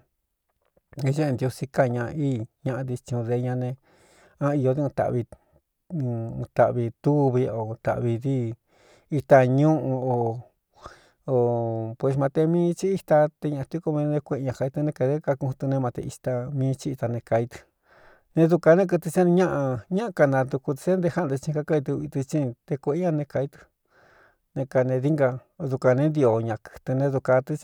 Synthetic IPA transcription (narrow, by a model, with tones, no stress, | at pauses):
ʒe˦e˧nd̪jo˧si˧ka˧ɲã˧iː˦˨ɲã˧ʔã˧d̪i˧t͡ʃĩ˧ũ˧ðe˧ɲã˧nẽ˧ | ã˦i˧jo˧ði˦ũ˧t̪a̰˨βi˧ | ũ˧t̪a˧ʔβi˧t̪u˦βi˧o˨˧t̪a̰˨ʔβi˧ði˦ | i˧t̪a˧ɲũ˦ʔũ˧o˨ | o˨pwe˧˨s̬mã˧t̪e˧mĩː˦t͡ʃi˦i˧t̪a˧t̪e˧ɲã˧˨˧t̪u˧˦ko˧mĩ˧nẽ˧kʷe˧ɲã˧ka˧i˧t̪ɨ˧nẽ˧ka˧ðe˦ka˧kũ˧ũ˧t̪u˧nẽ˧mã˧t̪ḛ˧i˧t̪a˧mĩː˦˧˦t͡ʃi˦i˧t̪a˧nẽ˧ka˧i˧t̪ɨ̥˧ | nẽ˧ðu˧ka˧nẽ˦k̬ɨ˧t̪ɨ˧t͡ʃe˦nĩ˧ɲã˦ʔa˧ɲã˦ʔa˧ka˧nã˧d̪u˧ku˧t̪i̥˧t͡ʃe˦nd̪e˧ha˦˧˨d̪e˧t͡ʃĩ˧ka˧ka˧i˧t̪̬u˧i˧t̪i˧t͡ʃĩ˦˧t̪e˧kʷe˧˦ɲã˧nẽ˧ka˧i˧t̪ɨ̥˧ | nẽ˧ka˧nẽ˧ði˦ŋɡa˧ | ðu˧ka˧nẽ˧˦nd̪i˧o˧ɲã˧kɨ̥˧t̪ɨ˧nẽ˧ðu˧ka˧t̪i˧